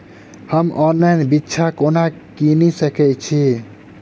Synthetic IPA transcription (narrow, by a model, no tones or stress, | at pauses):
həmɔnlajnbitːt͡ʃʰakonakinisəkɛt͡ʃʰi